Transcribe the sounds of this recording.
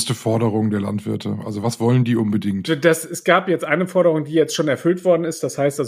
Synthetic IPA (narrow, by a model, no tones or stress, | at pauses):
stəfɔɐdəʁ̞ʊŋdeːɐla̰ntv̥ɪɐtʰəʔa̰lzovasv̥ɔləndiːʔʊnbədɪŋtdasɛsɡ̥aːpjɛt͡stʔaɪnəfɔɐɾəʁ̞ʊŋdiːjɛt͡stʃoːnɛɐfʏltv̥ɔɐdn̩ɪstd̥ashaɪstʔalz